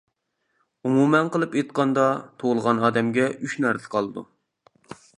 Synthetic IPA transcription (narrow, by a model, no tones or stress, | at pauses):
umumɛnqəlˠɨpet̪̚qʰɑnd̪ɑt̪ʰoʁlˠəʁɑnɑːd̪ɛmɡʲɛyʃnæɾt̪ʰɪ̥qʰɑlˠɨd̪ṵ